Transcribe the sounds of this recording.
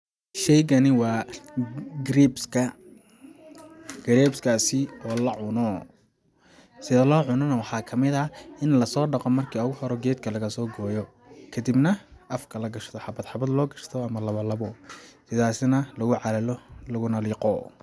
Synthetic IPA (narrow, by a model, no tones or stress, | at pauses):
ʃɛjɣɐnɪwɑː | ɡɾibskʰɐ | ɡ̥ɐɾɛːbskʰaːsɪɔːlɐʕʊnɔ | sɪðɐlɔːʕʊnɔnɐwɑħɑːkʰɐmɪðɐɪnlɐsɔːɖɑqɔmːɐrkʰiːɔɣʊhɔɾɔɡɛːd̪kʰɐlɐɣɐsɔːɡɔːjɔ | kʰɐd̪ibnɐʔɐfkʰɐlɐɡɐʃt̪ʰɔħɑbɐd̪ħɑbɐd̪lɔːɡɐʃt̪ʰɔɐmɐlɐβɐlɐβɔsɪðaːsɪnɐlɐɣʊʕɑlɐllɐɣʊnɐliːqɔ